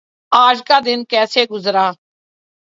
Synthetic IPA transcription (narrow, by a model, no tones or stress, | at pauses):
aːd͡ʒkaːd̪ɪnkɛːseːɡʊzɾaː